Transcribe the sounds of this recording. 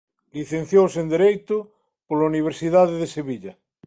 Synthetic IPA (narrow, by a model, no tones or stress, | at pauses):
liθẽn̟θjowsend̪eɾejt̪ʊ | polauniβ̞eɾsiðaðeðeseβiʎa